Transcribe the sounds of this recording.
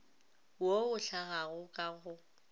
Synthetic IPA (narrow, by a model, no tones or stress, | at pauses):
woʊɬaɣaɣʊkʼaɣʊ